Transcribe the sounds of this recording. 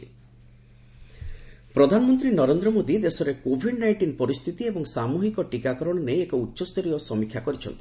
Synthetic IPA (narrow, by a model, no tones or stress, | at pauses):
pɾɔd̪ʱanɔmɔnt̪ɾinɔɾend̪ɾɔmod̪id̪esɔɾekobʱiɖnajʈinɔpɔɾist̪ʰit̪iebɔŋsamuɦikɔʈikakɔɾɔɽ̃ɔnejekɔutːʃɔst̪ʰɔɾiɔsɔmikʰjakɔɾit͡ʃʰɔ̰nt̪ʰi̥